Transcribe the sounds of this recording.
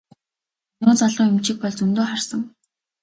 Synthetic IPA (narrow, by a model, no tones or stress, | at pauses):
nʊːt͡saɮʊːŋemt͡ɕɪ̆k̚pɔɮt͡sɵnt̪oːχarsə̆ŋ